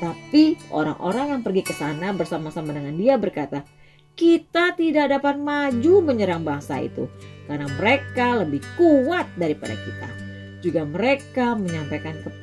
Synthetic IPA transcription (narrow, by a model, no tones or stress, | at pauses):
t̪apiʔo̰ɾa̰ŋʔo̰ɾaŋjaŋpərɡikəsanabərsamasamadəŋandiabərkat̪a | kit̪at̪idak̚dapat̪̚mad͡ʒuməɲəɾaŋbaŋsa̰ḭt̪ṵkarnaməɾekaləbɪhkuwat̪̚daɾipa̰da̰kit̪a̰ | d͡ʒuɡaməɾekaməɲamp̪ajkankəp̪